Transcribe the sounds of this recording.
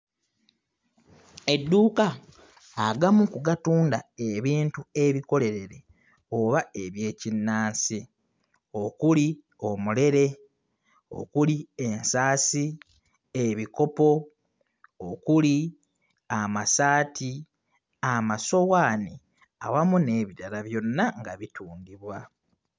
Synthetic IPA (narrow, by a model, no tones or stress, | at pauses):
e̞dːuːkaː | ɡamukuɡatuːndae̞βiːntue̞βiko̞le̞ɾe̞ɾe̞ | o̞βae̞βje̞ːcinːaːnsi | okuli | o̞mule̞ɾe̞ | o̞̰kulie̞nsaːsi | eβiko̞po̞ | okuli | amasaːtʰi | amaso̞waːni | a̰wamune̞ːβiɾaɾaβjo̞nːaŋɡaβitʰuːŋɡiβwa